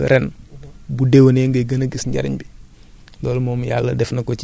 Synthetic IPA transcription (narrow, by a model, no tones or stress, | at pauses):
ɾɛnbudewneːŋɡɐjɡɐnəɡisɲɟɐ̰ɾḭɲbi | lɔːlmɔːmjalːɐdɛfnɐkɔt͡ʃ